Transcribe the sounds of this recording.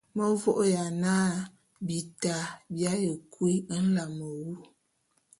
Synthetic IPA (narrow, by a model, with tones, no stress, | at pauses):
mə˦vɔ˦ʔja˨naː˦ | bi˨ta˨bja˦jə˨kwi˦n̩˦la˨mə˨wu˦